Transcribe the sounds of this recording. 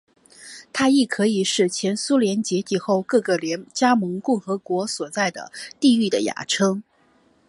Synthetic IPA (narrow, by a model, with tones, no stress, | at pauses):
t̪ʰa˥i˥˩kʰɤ˧˥i˨˩ʂɻ̩˥˩t͡ɕʰjɛ˧˥nsu˥ljɛ˧˥nt͡ɕjɛ˧˥t̪ʰi˧˥˩xo˥˧ʊkɤ˥˧˩ɡə˩ljɛ˧˥nt͡ɕja˥mɤ˧˥ŋkʊ˥˩ŋxɤ˧˥kwɔ˧˥swɔ˨˩t͡sa˥˩ɪd̪ə̰˩t̪i˥˧y˥˩d̪ə˩ja̰˨˥ʈ͡ʂʰɤ˥ŋ